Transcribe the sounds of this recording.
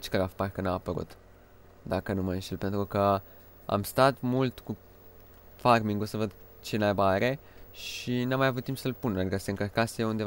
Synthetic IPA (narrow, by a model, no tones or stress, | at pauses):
t͡ʃkəɾafpaɾkənaːpəɾṵt̪ | d̪akənumanʃt̪elpe̞nt̪ɾukə | a̰mst̪at̪mult̪ku | farmiŋɡosəvəd̪ | t͡ʃemajbaɾe̞ | ʃinamːajavut̪t̪ːimpsəlpunad̪ikəseɨŋkərkasejeund̪e